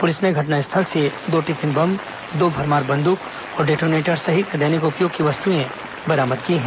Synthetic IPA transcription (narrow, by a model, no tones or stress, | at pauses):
pʊlɪsneɡʱɐʈ̬naɪst̪ʰəlsed̪oːʈit̪ʰɪnbɐm | d̪oːbʱɐɾmaːɾbɐ̃nd̪ʊk | ɔːɾɖeːʈoːmneːʈəɾsɐɦikɐd̪eːnɪkʊpjoːɡ̚kiʋɐst̪uẽ | bɐɾaːməd̪kiɦɛ̃ː